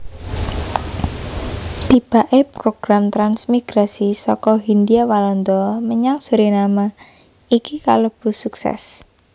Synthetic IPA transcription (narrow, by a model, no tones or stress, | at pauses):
t̪ib̥a̤ʔepɾoɡ̥ɾamt̪ɾansmiɡ̥ɾasisɔkɔɦind̪iawalɔnd̪ɔməɲaŋsuɾinama | ikika̰ləb̥ṳsuksɛ̰s